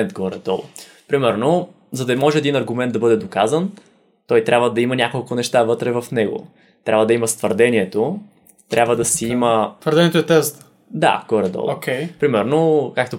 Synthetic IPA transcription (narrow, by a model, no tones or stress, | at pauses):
ɛnd̪ɡoɔɾɛd̪ɔlˠ | pɾimɛɾno | zɐd̪ɐmɔʒɛd̪inɐɾɡʊmɛnt̪d̪ɐbɤd̪ɛd̪okazən | t̪ɔjt̪ɾʲabvəd̪ɐimɐnʲakolˠkʊnɛʃt̪avɤt̪ɾɛvɐfnɛɡʊ̰ | t̪ɾabvəd̪ɐimɐst̪vəɾd̪ɛniɛt̪o | t̪ɾʲabvəd̪ɐsɛimət̪vəɾd̪ɛnʲiɛt̪oɛt̪ɛst̪ | d̪a̰kɔɾɛd̪ɔ̰lˠokʰʲɛjpɾimɛɾnokak̚t̪o